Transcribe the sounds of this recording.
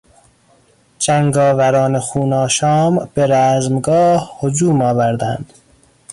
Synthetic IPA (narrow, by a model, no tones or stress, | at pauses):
d͡ʒæŋɡɒːvæɾɒːnexuːnɒːʃɒːmb̥eɾæːzmɡɒːhhod͡ʒuːmɒːvæɾd̪æ̰nd̪̥